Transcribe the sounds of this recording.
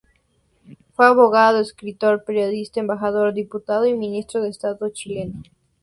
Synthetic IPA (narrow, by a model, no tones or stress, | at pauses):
fwe̞aβoɣaðaðoeskɾit̪oɾpeɾjo̞ðist̪aembaxaðoɾd̪iput̪aðoimĩnist̪ɾoðeːst̪aðot͡ʃile̞no